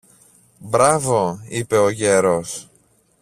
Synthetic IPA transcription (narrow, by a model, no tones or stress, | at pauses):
bɾɐvo̞ipe̞oʝe̞ɾos